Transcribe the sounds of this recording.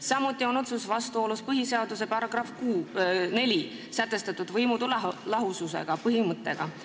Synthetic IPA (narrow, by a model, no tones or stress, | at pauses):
sɑmut̪ːˑio̞no̞t̪susvɑst̪uo̞ːluspɤɦise̞ɑd̪use̞pɑɾɑɡ̥rɑfkuːne̞lʲi | sæt̪ːˑe̞st̪ɑt̪ːˑud̪̥vɤjmud̪ullɑɦususe̞̰ɡ̥ɑpɤɦimɤt̪ːˑe̞ɡ̥ɑ